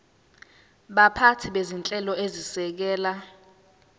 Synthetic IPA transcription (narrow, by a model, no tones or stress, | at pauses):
ɓapʰatʰiɓezint͡ɬʼɛlɔezisɛk̬ɛːla